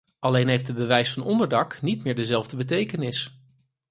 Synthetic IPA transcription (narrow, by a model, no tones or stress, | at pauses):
ʔɑlejnɦejftdəbəʋɛjsfɑnɔndəɹdɑknit̚mɪːɹdəzɛlˠvdəbət̬ejkənɪs